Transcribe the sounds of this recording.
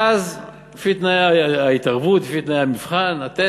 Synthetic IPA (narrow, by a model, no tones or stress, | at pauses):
az | fit̪najaait̪aʁbut̪fit̪najamifχanat̪e